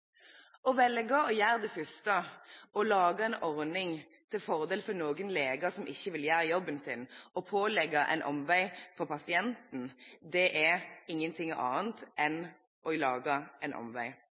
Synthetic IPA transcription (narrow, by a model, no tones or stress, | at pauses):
ɔʋɛlɡɑɔjæːʁd̪ɛfʏst̪əɔlɑːɡəɛɪnɔɾnɪŋ | t̪ʰɪlfɔʁd̪eːlfɔnoːɡənleːɡəsɔmʔɪçːəʋɪljæːɾjɔbːənsɪnɔpʰoːlɛɡɑʔɛ̰ɪnʔɔ̰mʋæɪfɔʁpɑsɪɛnt̪n̩d̪ɛʔɛɪŋːənt̪ʰɪŋɑ̰ːnt̪ʔɛn | ʔɔlɑːɡɑæɪnʔɔ̰mʋæɪ